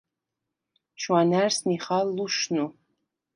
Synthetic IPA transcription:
ʃwaːnarsniχalːuʃnu

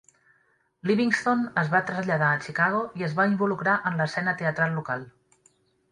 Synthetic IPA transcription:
liβiŋst̪onəzβat̪ɾəzʎəðaət͡ʃikaɣ̞oiəzβaimbulukɾaʔənləsɛnət̪eət̪ɾalˠːukalˠ

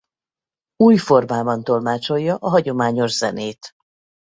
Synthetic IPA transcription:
uːjfo̞rmaːbɒnt̪o̞lmaːt͡ʃo̞jːɒʔɒɦɒɟo̞maːɲo̞ʒzɛ̰neːt̪

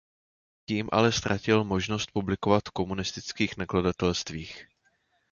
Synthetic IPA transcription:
ciːmʔa̰lɛst̪ɾʔacɪlmo̞ʒno̞st̪̚publɪko̞vat̪ko̞munɪst̪ɪt͡skiːxnakladat̪ɛlst̪viːx

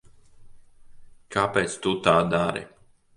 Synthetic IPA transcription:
kapɛt̪sʲt̪ut̪ad̪aɾɛ̰

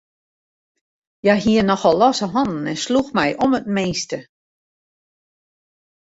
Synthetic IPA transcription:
jaɦiənɔxɔlˠːɔsəɦɔnn̩ɛnsluxmɛjʔomət̚meːstə

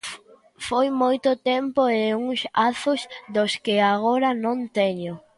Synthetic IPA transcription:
fojmojt̪ʊt̪ɛmpoeuŋsaθʊzd̪oskɪaɣoɾɐnõnt̪ɛɲʊ

